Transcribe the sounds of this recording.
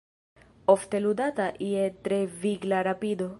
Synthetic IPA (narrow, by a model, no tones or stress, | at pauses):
oft̪elud̪at̪aʔiet̪ɾeviɡlaɾapid̪o